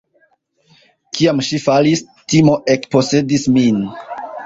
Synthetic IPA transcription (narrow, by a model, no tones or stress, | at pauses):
kʰiamʃifalis | timo̞ʔekpo̞se̞dismin